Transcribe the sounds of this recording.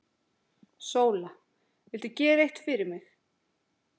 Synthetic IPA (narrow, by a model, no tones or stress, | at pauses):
soːwla | vɪlt̪ʏcɛːejht̪fɪɾɪɾmɪx